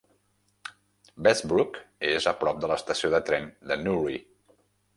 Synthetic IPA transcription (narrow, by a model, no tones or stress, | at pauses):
bɛzbɾukezəpɾɔp̚d̪ələst̪əsioðət̪ɾɛnd̪ənuri